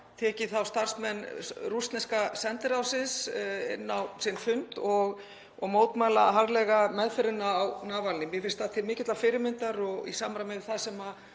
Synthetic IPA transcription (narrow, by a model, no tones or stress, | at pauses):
t̪ʰɛːcɪθawst̪ar̥smɛnːrust̪nɪskasɛnt̪ɪɾawsɪnsɪ̰nːawsɪnfʏnt̪ɔɣ | ɔɣmoːwt̪maːlaɦaɾlɛɣamɛðfɪɾɪnːaːwnaːvalnɪmjɛfɪn̥st̪aðt̪ʰɪlmɪːcɪt̪lafɪːɾɪmɪnt̪aɾɔɣḭsaːmɾamɪðɪ̥θasɛma